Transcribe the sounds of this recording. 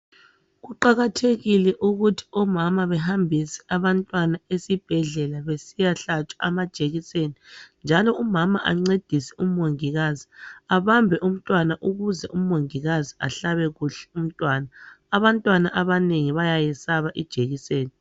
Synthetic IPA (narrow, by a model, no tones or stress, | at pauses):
ɣuǃaɣatʰeɣilɛʔuɣutʰi̥ɔmamaβɛɦambʱisɛ̥ʔaβantʼwanaesib̥ʱɛɮɛlaβesijaɬat͡ʃʼwaamad̥ʒ̥ʱeɣisenind͡ʒʱalɔumamaʔa̰ŋ͡ǀed̥ʱisɛ̥um̩oŋiɣaziaβambʱɛʔum̩tʼwanaʔuɣuzɛʔuoŋiɣazia̰ɬaβɛɣuɬɛ̥um̩tʼwaːnaː | βantʼwanaʔaβaneŋiβajajɛsaβaʔid̥ʒ̥ʱeɣiseːni